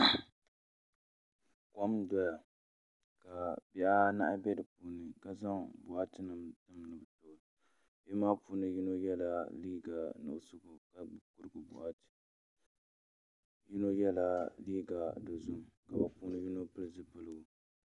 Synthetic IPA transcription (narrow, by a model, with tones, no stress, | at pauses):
kɔ˦mdɔ˦ja˨ | ka˨bi˦a˦na̰˦ʔa˦bɛ˦dɨ˨puː˦nɨ˨ka˦za˦ŋbʊ˨ʔa˦tɨ˦nɨ˨mtɨ˦mnɨ˨bɨ˨to˨ | bɛ˦maː˦puː˦nɨ˦ji˦no˦jɛ˦la˦liː˦ɡa˨no̰˨ʔsʊ˦ɡʊ˨ka˨bkʊ˦ɾɨ˦ɡʊ˨bʊ̰˨ʔa˦tɨ̥˨ | ji˦no˦jɛ˦la˦liː˦ɡa˨do˨zʊ˦m˨ka˨bɨ˨puː˦nɨ˦ji˦no˦pɨ˦lzɨ˦pɨ˦˨lɨ˦ɡ